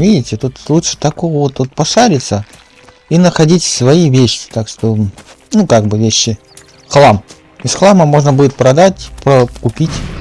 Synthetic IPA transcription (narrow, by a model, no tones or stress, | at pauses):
vʲidʲɪtʲɪt̪ut̪lˠutʂɨ̥t̪ɐkovəvot̪vot̪̚pɐʂaɾʲɪt̪sə | inəxɐdʲitʲfsvɐjivʲeɕʲɪ̥t̪akʂt̪o̞ | nukaɡ̚bɨvʲeɕːɪ | xlˠam | isxlˠaməmo̞ʐnəbudʲɪt̪̚pɾɐd̪atʲpɾəkʊpʲitʲ